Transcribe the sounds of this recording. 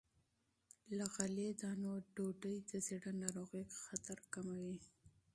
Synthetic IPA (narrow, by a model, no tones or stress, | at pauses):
laɣaled̪ɑnoɖoɖəjd̪əsiɽanɑɾoɣəjxat̪aɾkamawi